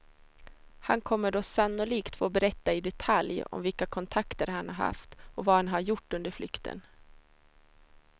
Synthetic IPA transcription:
hankʰɔmːəɖoːsanːʊliːkt̪foːbɛɾɛt̪ːaɪd̪ɛt̪ʰaljɔ̰mvɪlkakʰɔnt̪ʰakt̪əɾhanhaɾha̰ft̪ɔvaːhanɦaɾjʊʈːɵnd̪əɾflʏkt̪ʰə̰n

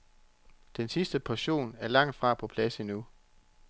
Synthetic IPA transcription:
d̥ensisd̥əpʰɒɕo̝̰ːnæɐlɑ̈ŋ̰d̥fʁɑ̈ːpʰɒ̽pʰlæsinu

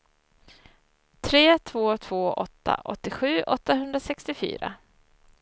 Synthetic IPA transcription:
t̪ʰɾeːt̪ʰvoːt̪ʰv̥oːʔɔt̪ʰːa̰ʔɔ̰t̪ːɪɧʉ̟ːʔɔt̪ːaɦɵnd̪ɾasɛkst̪ɪfy̰ːɾa̰

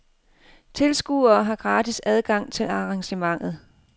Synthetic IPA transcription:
t͡sʰe̝lsɡ̥uːɐːɦɑ̈ɡ̥ʁɑ̈ːdʰisæð̞ˠɡ̥ɑ̈ŋ̰t͡sʰe̝lɑ̈ʁɑ̈ŋɕəmɑ̈ŋ̰ð̞̩ˠ

